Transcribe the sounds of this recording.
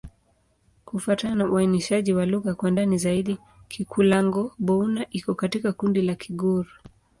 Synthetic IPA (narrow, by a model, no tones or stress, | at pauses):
kufatanauainiʃaʄiwaluɣakwandanizaiɗi | kʰikʰulaŋɡɔɓɔunaʔikɔkatikakundilakʰiɡuɾu